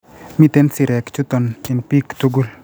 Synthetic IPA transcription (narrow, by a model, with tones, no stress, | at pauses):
mi˦t̪e˦nsi˨ɾɛ˨kt͡ʃu˦t̪ɔ˨nɪnpi˦kt̪uɡu˦l